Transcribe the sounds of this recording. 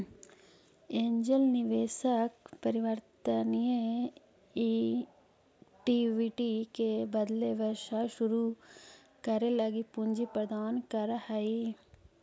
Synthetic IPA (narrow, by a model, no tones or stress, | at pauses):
eːɲd͡ʒəlnɪʋeːʃəkpɐɾɪʋəɾt̪ənije | i | ʈiːʋiːʈikebɐd̪leʋəɾʃaʃʊɾu | kəɾelɐɡipuɲd͡ʒipɾəd̪aːnkɐɾhai